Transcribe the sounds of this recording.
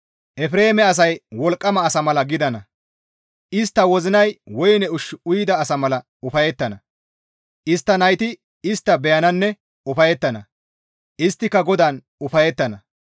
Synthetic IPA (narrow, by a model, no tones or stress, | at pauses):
ʔɛfɾeːmɛɐs̬ɐjwɔlkʼːɐmɐːsɐmɐlɐɡɪd̪ɐnɐ | ʔɪst̪ːɐwɔzɪnɐjwɔjnɛʊʃʊjɪd̪ɐːsɐmɐlɐ | ʊfɐjɛt̪ːɐnɐ | ʔɪst̪ːɐnɐjt̪ɪ | ɪst̪ːɐbɛjɐnɐnːɛ | ʊfɐjɛt̪ːɐnɐ | ʔɪst̪ːɪkːɐɡɔd̪ɐn | ʊfɐjɛt̪ːɐnɐ